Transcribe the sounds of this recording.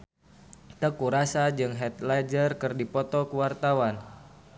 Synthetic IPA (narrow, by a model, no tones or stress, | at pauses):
t̪əkuɾasad͡ʒɨŋɦɛt̪̚lad͡ʒərkɨrdipɔt̪ɔkəwart̪awan